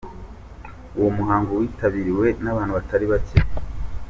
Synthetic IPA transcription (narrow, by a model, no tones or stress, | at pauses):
uwomuɦaːŋɡowiːtaβiɾiwe̞naβaːnhuβataɾiβace